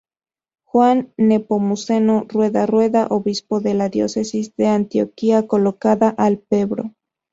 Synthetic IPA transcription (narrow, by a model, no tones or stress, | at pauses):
xwanːepomuse̞norwe̞ðarwe̞ðaʔoβispo̞ðe̞laðjo̞̰se̞sizðe̞ant̪jo̞̰kiako̞lokaðaʔalpeβɾo̰